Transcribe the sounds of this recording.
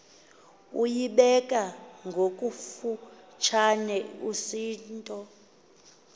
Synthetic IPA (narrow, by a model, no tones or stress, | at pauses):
ujiɓɛkʼaŋɡʱokʼufu | t͡ʃʰanɛusiːntʼɔ